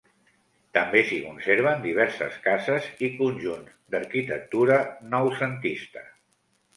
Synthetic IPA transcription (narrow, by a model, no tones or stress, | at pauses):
t̪əmbesikunseɾβ̞ənd̪iβ̞ɛɾsə̰skazəzikunʲʒunzd̪əɾkit̪ə̰k̚t̪uɾənɔwsənt̪ist̪ə